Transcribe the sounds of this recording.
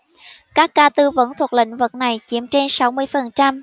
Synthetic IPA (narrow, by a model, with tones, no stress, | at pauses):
kaː˦˥kːaː˧t̪ɨ˧və̰˧˥nt̪ʰwu˨˩k̚lḭ˧˥ŋ̟vɨ˨˩t̚na˨˩jt͡ɕi˧˦əmt͡ɕe˧nsa˨˦wmɨ˧əjfə˨˩nt͡ɕa˧m